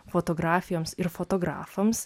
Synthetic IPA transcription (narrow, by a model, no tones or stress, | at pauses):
foːt̪oːɡɾɑːfʲɪjoːmsɪɾfoːt̪oːɡɾɑ̰ːfɐms